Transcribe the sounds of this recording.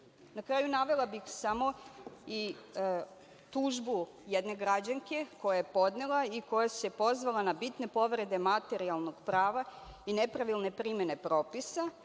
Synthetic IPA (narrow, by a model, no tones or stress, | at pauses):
nakɾaːjunaʋe̞lˠabixsamo̞i | t̪uʒbu | jed̪ne̞ɡɾad͡ʑaŋke̞ko̞jajepo̞d̪nelˠaiko̞jasepo̞zʋalanabit̪ne̞po̞ʋɾe̞d̪e̞mat̪e̞ɾialˠno̞ɡ̥pɾaːʋainepɾaʋilˠne̞pɾimene̞pɾo̞ːpisa